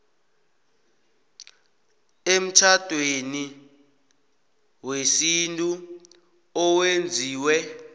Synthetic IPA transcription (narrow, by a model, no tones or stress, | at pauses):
em̩t͡ʃʰad̥ʱweni | wesintʼu | ɔwend͡zʱiːwɛ